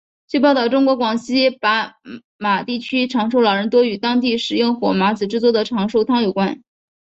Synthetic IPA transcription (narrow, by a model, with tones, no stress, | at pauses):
t͡swe˥˧pɑ˥˧ʊt̪ɑ˥˩ʊʈ͡ʂʊ˥ŋkwɔ˧˥kwɑ˨˩ŋɕi˥pa˧˥ | ma˨˩t̪i˥˩t͡ɕʰy˥ʈ͡ʂʰɑ˧˥ŋʂo˥˩ʊlɑ˨˩ʊɻə˧˥nt̪wɔ˥y˨˩t̪ɑ˥ŋt̪i˥˩ʂɻ̩˨˩jʊ˥˩ŋxwɔ˨˩ma˧˥t͡sɹ̩˨˩ʈ͡ʂɻ̩˥˧t͡swɔ˥˩d̪ə˩ʈ͡ʂʰɑ˧˥ŋʂo˥˩ʊt̪ʰɑ˥ŋjo˨˩ʊkwa˥n